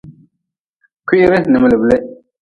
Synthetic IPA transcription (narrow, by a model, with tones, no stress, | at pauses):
ki˦ɾɪ˦nɨ˨mɨ˦lɨ˨ble˦ʔ